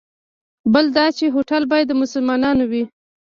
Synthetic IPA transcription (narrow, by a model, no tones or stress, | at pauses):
bəld̪ɑt͡ʃeɦoʈalbɑjad̪ːəmʊsʊlmɑnɑnowi